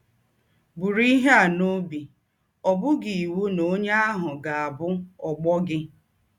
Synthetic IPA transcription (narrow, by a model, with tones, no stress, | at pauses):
bu˨ɾi˦ɦa˦˨no˦bi˨ | ɔ˨bʊ˦ɡi˨i˨wu˦no˦ɲa˦a˦ɦʊ˨ɡa˨a˨bʊ˦ɔ˨ɡ͡bɔ˦ɡɪ˦